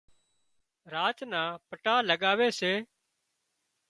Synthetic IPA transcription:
ɾaːt͡ʃnãːpəʈaːləɠaːʋeːseː

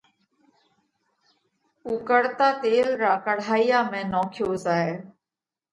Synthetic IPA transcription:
uːkəɽt̪aːt̪eːlɾaːkəɽ̤aːijaːmẽːnoːkʰjoːzaːeː

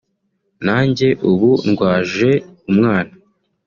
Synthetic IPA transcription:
naːɲɟe̞ʔuβunɡwaːʒe̞umŋaːna

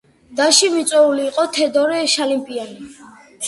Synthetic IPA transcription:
d̪aʃivit̪sʼwɛuliːqʼɔt̪ʰɛd̪ɔɾɛʃalimpʼiani

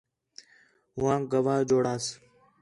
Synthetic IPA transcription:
ɦʊãːɡəʋaːd͡ʒoːɽaːs

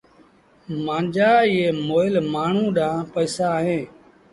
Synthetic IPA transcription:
mãːnd͡ʒaːɪːeːmoːɪlmaːɳ̤ũːɗãːpəːsaːɦẽː

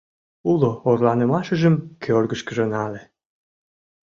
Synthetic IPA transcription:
uloorlɑnəmɑʃəʒəmkʰørɡəʃkəʒə̆nɑle

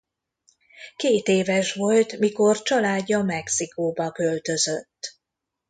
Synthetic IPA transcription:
keːt̪eːvɛʃʋo̞lt̪miko̞rt͡ʃɒlaːɟːɒmɛksikoːbɒkølt̪ø̞zøt̪ː

